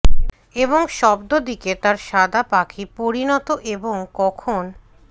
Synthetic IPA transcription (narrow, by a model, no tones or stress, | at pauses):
eboŋʃɔbd̪od̪iket̪aɾʃad̪apakʰipoɾinɔt̪oʔeboŋkɔkʰon